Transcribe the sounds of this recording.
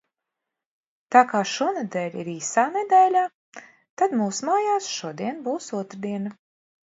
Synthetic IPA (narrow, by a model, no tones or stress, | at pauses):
t̪aːkaːʃuɔned̪ɛlʲiɾiːsaːned̪ɛːlʲaː | t̪ad̪muːsmaːjaːsʃuɔd̪iɛnbuːsuɔt̪ɾd̪iɛna